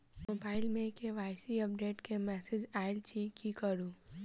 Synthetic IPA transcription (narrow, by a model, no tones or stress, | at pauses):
moːbaːɪlmẽkeʋaːɪsiɐp̚ɖeːʈkemɛːsed͡ʒaːɪlt͡ʃikikəɾũː